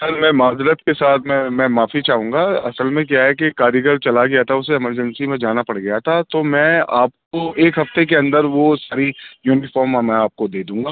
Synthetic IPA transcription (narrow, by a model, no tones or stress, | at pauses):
sɐɾmɛ̃ːmaːzɾət̪kesaːt̪ʰmɛ̃mɛ̃maːfit͡ʃaːɦũːŋɡaɐsəlmẽk̬jaɦɛk̬ekaːɾjəɡəɾt͡ʃɐlaɡɐjat̪ʰaʊseːməɾd͡ʒə̃nsimẽd͡ʒaːnapɐɽɡɐjat̪ʰat̪omɛ̃ːaːp̚koeːkɦɐft̪ek̬eɐ̃nd̪əɾʋosaːɾijuːnɪfɔːɾmamɛ̃aːp̚kod̪eːd̪ũːŋɡaː